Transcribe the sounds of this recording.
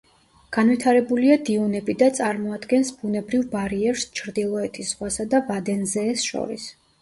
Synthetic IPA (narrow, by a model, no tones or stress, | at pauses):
ɡ̥anvwit̪ʰaɾɛbuliad̪iunɛbid̪at̪sʼaɾmɔad̪ɡɛnsbunɛbɾivbaɾiɛɾst͡ʃʰɾd̪ilˠɔɛt̪ʰisʁwasad̪avad̪ɛnzɛːsʃɔ̰ɾḭs